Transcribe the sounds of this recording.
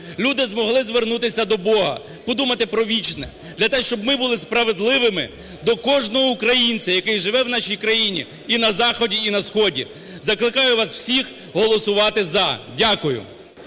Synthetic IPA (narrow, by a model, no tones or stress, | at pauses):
lʲud̪ɪzmɔɦlˠɪzʋernut̪ɪsʲɐd̪ɔbɔɦɐ̰ | pɔd̪umɐt̪ɪpɾɔʋʲit͡ʃnɛ | d̪̥lʲɐt̪ɛʃt͡ʃɔbmɪbulˠɪspɾɐʋed̪lˠɪʋɪmɪ | d̪ɔkɔʒnɔɦɔukɾɐjinʲt͡sʲɐjɐkɪjʒɪʋɛwnɑʃʲijkɾɐjinʲḭ | inɐzɑxɔdʲiinɐsxɔdʲḭ | zɐklˠɪkɑjʊʋɑsw̥sʲix | ɦɔlˠɔsʊʋɑt̪ɪzɐdʲakʊjʊ̰